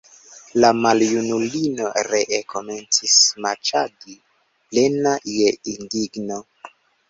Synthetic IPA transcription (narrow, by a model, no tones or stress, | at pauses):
lamaljunulino̞ɾeʔekʰo̞me̞nt͡sismaɾt͡ʃadi | ple̞najeindiɡno̞